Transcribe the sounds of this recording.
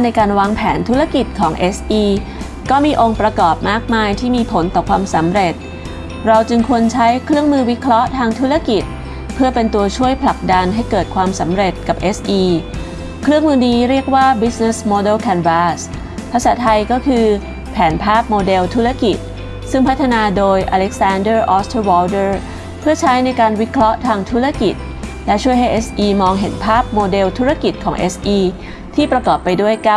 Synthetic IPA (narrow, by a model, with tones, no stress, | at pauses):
a˥na˧jkaː˧nwaː˧ŋpʰɛː˩˦nt̪ʰu˦˥ɾa˧ki˨˩t̪̚kʰɔː˩˦ŋʔe˦˥sʔiː˧ | kɔː˥˩miː˧ʔo˧ŋpɾa˧kɔː˨˩p̚maː˥˩k̚maː˧jt̪ʰiː˥˩miː˧pʰo˩˦nt̪ɔː˨˩kʰwaː˧msa˩˦mɾe˨˩t̪̚ | ɾa˧wt͡ɕɯ˧ŋkʰu˧ənt͡ɕʰa˦˥jkʰɾɯ˥˩əŋmɯː˧wi˦˥kʰɾɔ˦˥ʔt̪ʰaː˧ŋt̪ʰu˦˥ɾa˧ki˨˩t̪̚ | pʰɯ˥˩ɐpe˧nt̪u˧ɐt͡ɕʰu˥˩əjpʰla˨˩k̚da˧nɦa˥˩jkɤː˨˩t̪̚kʰwaː˧msa˩˦mɾe˨˩t̪̚ka˨˩p̚ʔe˦˥sʔiː˧ | kʰɾɯ˥˩əŋmɯː˧niː˦˥ɾi˥˩ək̚waː˥˩bi˦˥sne˦˥smoː˧de˥˩kʰɛː˧nfaː˦˥s | pʰa˧saː˩˦t̪ʰa˧jkɔː˥˩kʰɯː˧ | pʰɛː˩˦npʰaː˥˩p̚moː˧de˧wt̪ʰu˦˥ɾa˧˨ki˨˩t̪̚ | sɯ˥˩ŋpʰa˦˥t̪ʰːa˧naː˧doː˧jʔa˧le˦˥k̚saː˧ndɤː˥˩ʔɔː˦˥st̪ʰːwɔː˧dɤ˥˩ | pʰɯ˥˩ɐt͡ɕʰa˦˥jna˧jkaː˧nwi˦˥kʰɾɔ˦˥ʔt̪ʰaː˧ŋt̪ʰu˦˥ɾa˧˨ki˨˩t̪̚ | lɛ˦˥t͡ɕʰu˥˩əjɦa˥˩ʔe˦˥sʔiː˧mɔː˧ŋɦe˩˦npʰaː˥˩p̚moː˧de˧wt̪ʰu˦˥ɾa˧ki˨˩t̪̚kʰɔː˩˦ŋʔe˦˥sʔiː˧ | t̪ʰiː˥˩pɾa˧kɔː˨˩pːa˧jdu˥˩əjka˦˥˩